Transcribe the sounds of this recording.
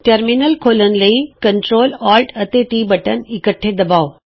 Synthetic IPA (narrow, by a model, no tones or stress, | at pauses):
ʈɐɾminəlkʰoːlənɪ̆lɐikɐɳʈɾoːlaːlɖɐt̪eʈiːbɐʈənɪkəʈʰːed̪ɐbaːo